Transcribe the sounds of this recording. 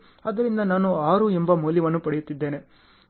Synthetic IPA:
ɐd̪ɐɾind̪ɐnaːnuaːɾuembɐmuːljiʋɐnːupɐɽejut̪ːid̪ːe̞ːne̞

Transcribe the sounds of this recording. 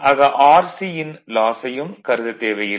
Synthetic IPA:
ɐɣɐʔaːɾsijɪnlaːsɐjɯmkɐɾɯðɐt̪ːeːʋɐjɪ

